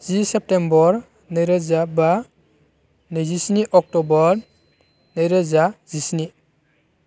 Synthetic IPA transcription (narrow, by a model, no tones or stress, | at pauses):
zisɛp̚tembɔɾ | neɾəzaba | nezisniʔɔk̚tɔbɔɾ | nejɾəzazisni